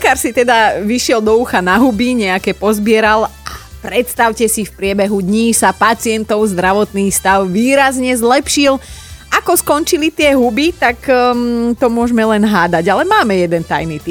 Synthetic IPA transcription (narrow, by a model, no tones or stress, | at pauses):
lɛkaɾsit̪ɛd̪aʋiʃɪɛld̪ɔuxanaɦubiɲɛakɛːpɔzbɪɛɾalapɾɛt̪st̪aʊcɛsifpɾɪɛbɛɦud̪ɲiːsapat͡sɪɛnt̪ɔʊzd̪ɾaʋɔt̪niːxst̪aʊʋiːɾazɲɛzlɛpʃilʔakɔskɔnt͡ʃilit̪ɪɛɦubit̪ak | t̪ɔmʊɔʒmɛlɛnɦaːd̪aɟalɛmaːmɛjɛd̪ɛnt̪ajnit̪i